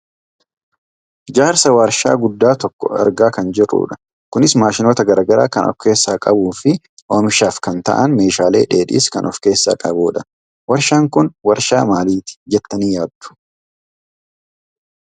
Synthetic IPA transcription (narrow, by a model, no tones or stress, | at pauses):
d͡ʒaːɾsɐwaːɾʃa̰ːɡʊd̪ːaːt̪ɔkːɔ̰ɛ̰ɾɡaːkɐnd͡ʒɪrːṵːᶑɐ̥ | kʊnɪsmaːʃɪnoːt̪ɐɡɐɾaːɡɐɾa̰ːkɐnɔ̰fke̞ːsːaːkʼɐbuːfɪ | ʔoːmɪʃaːfkɐnt̪ɐ̰ʔɐnme̞ːʃaːle̞̰ːᶑe̞ːᶑḭːskɐnʔɔfke̞ːsːa̰ːkʼɐbuːᶑɐ̥ | wɐɾʃaːŋkʊnwɐɾʃaːmaːliːt̪ɪ̥d͡ʒɛt̪ːɐniːjaːd̪ːʊ̥